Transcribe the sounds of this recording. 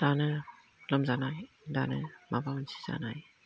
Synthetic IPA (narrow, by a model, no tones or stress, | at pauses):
d̥anɯ | ləmzanaj | danɯmabawɯnsʰi̥za̰naj